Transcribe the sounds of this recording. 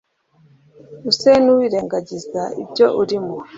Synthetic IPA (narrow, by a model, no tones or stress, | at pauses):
usenuwiːɾe̞ːŋɡaɟizaḭbɟo̞ʔuɾimu